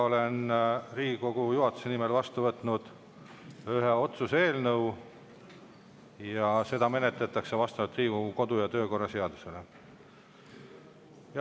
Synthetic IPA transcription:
o̞le̞nriːɡiko̞ɡ̥ujuɦɑt̪ːˑu̥se̞nimelvɑst̪uvɤt̪ˑnud̪̥ | yɦeo̞t̪suseːlnɤw | jɑse̞d̪̥ɑme̞net̪let̪ːˑɑkse̞vɑst̪ɑvɑt̪riːɡ̥oɡuko̞d̪̥ujɑt̪øːko̞rːɑse̞ɑd̪̥u̥se̞le̞ | jɑ

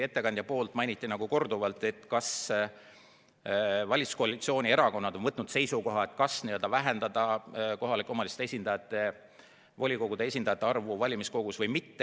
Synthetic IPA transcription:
e̞t̪ːe̞kɑnd̪jɑpo̞ːlt̪ːˑmɑjnʲit̪ˑːinɑɡ̥uko̞rd̪uvɑlt̪ˑe̞t̪kɑs | vɑlʲit̪su̥ko̞ɑlit̪sio̞ːnʲie̞ɾɑko̞nːɑd̪o̞nvɤt̪ːˑnud̪̥se̞jsuko̞ɦɑet̪ˑkɑsniəld̪ɑvæɦe̞nd̪̥ɑd̪̥ɑkoɦɑlikːˑo̞mɑlist̪e̞sʲind̪ɑjɑt̪ːˑe̞ | vo̞lʲiko̞ɡud̪e̞e̞sʲind̪̥ɑjɑt̪ːˑeɑrvuvɑlʲimisko̞ɡ̥usvɤjmit̪ː

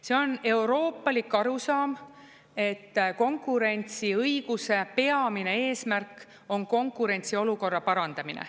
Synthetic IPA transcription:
se̞o̞ne̞wɾo̞ːpːɑlikːˑɑɾusɑːm | e̞t̪ːko̞ŋkˑuɾe̞nt̪siɤjɡ̥use̞pe̞ɑmine̞e̞ːsmærk | o̞nko̞ŋkːˑuɾe̞nʲt̪sio̞luko̞rːɑpɑɾɑnd̪̥ɑminḛ

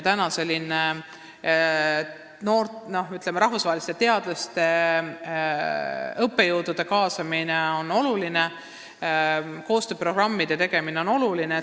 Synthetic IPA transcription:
t̪ænɑse̞lʲːine | no̞ːrt̪no̞hyt̪lemːeɾɑɦvusɑɦelist̪et̪e̞ɑd̪̥lɑst̪e̞ | ɤpːe̞juwd̪̥ud̪̥e̞kɑːsɑmineo̞no̞luline̞ | ko̞ːst̪øːpro̞ɡ̥rɑmːid̪̥e̞t̪e̞ɡ̥e̞mineo̞no̞luline

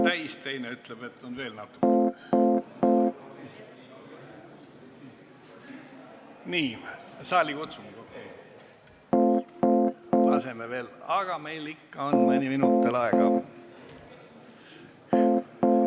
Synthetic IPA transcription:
t̪æjst̪ejneyt̪leb̥e̞t̪ːˑonve̞ːlnɑt̪ːˑu̥kːe | niːsɑːlʲikut̪sumɡokːe | lɑ̰se̞meve̞ːlɑɡ̥ɑme̞jlikːɑonmɨnʲiminut̪ːelɑeɡ̥ɑ̰

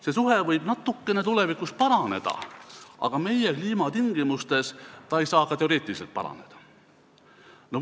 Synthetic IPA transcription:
se̞suɦe̞vɤjb̥nɑt̪ːukˑːe̞ne̞t̪ule̞vikˑus̚pɑɾɑne̞̰d̪̥ɑ̰ʔɑ̰ɡ̥ɑme̞jekliːmɑt̪iŋɡ̥imust̪e̞st̪ɑe̞jsɑːkɑt̪e̞o̞ɾe̞ːt̪iliselt̪̚pɑ̰ɾɑ̰ne̞d̪̥ɑ̥ | no

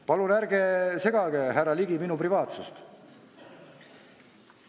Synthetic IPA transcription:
pɑlunæɾɡese̞ɡ̥ɑɡ̥eɦærːɑliɡiminuprivɑːt̪sust̪

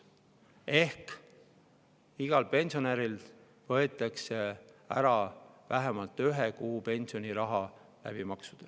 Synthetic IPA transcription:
e̞hk | iɡ̥ɑlpe̞nʲsio̞neɾil | vɤe̞t̪ːˑɑkseæ̰ɾɑvæɦemɑlt̪ːˑyɦekuːpe̞nʲsio̞nʲiɾɑɦɑ | læ̰b̥imɑksud̪̥ɑ

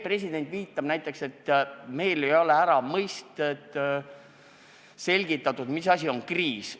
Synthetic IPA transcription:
pre̞s̬ʲid̪e̞nt̪viːt̪ːˑɑb̥næjt̪ːˑe̞kse̞t̪ːme̞jle̞jo̞le̞æɾɑmɤjst̪ed̪ | se̞lʲɡ̥it̪ːˑɑt̪ːˑud̪̥misɑsʲio̞nkriːs

